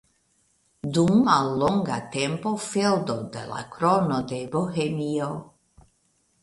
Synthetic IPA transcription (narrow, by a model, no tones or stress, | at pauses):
d̪unːalːoŋɡa̰t̪empofeld̪od̪ḛla̰kɾonod̪eboxemio